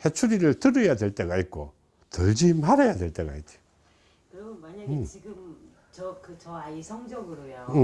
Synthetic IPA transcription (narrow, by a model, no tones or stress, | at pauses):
he̞t͡ɕʰuɾiɾɯɭtɯɾɯjadweɭt͈e̞ɡait̚k͈o | tɯɭd͡ʑimaɾajadwe̞ɭt͈e̞ɡa̰it͡ɕ͈i | kɯɾʌmnwaɲat͡ɕiɡɯm | t͡ɕʌkɯt͡ɕʌaisʰʌŋd͡ʑʌɡɯɾojoɯ